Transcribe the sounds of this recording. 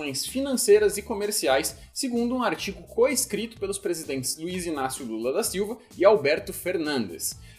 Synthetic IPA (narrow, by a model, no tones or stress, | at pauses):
õj̃sfinɐ̃sejɾɐzɪkomeɾsiajsːeɡũnd̪ʊũaɾt͡ʃiɡʊkoeskɾit̪ʊ̥pelʊspɾezid̪ẽnt̪ɪ̥z̥luizinasjʊlulɐd̪asiwvɐ | ɪawbɛɾt̪ʊfeɾnɐ̃nd̪ḛs